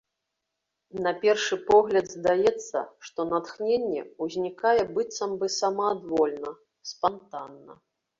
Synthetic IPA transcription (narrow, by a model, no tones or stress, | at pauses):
nɐpʲɛrʂɨpɔɣlʲɐd̪zd̪ajɛt̪sːɐ̰ʂt̪ɔnat̪xnʲenʲːɛ̰uzʲnʲikajɛbɨt̪sɐmbɨsamɐːd̪vɔlʲnɐ | spant̪anːɐ̰